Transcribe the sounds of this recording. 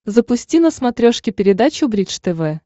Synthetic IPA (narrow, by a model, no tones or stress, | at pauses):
zəpʊsʲtʲinəsmɐt̪ɾʲoʂkʲɪpʲɪɾʲɪd̪at͡ɕʊbɾʲit͡ʂt̪ɛvɛ